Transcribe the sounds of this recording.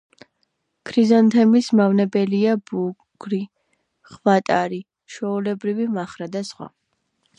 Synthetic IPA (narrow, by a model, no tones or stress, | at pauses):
kʰɾizɔnt̪ʰɛmismavnɛbɛliabu | ɡ̥ɾi | χvat̪ʼaɾi | ʃɔulɛbɾivimaχɾad̪asχwa̰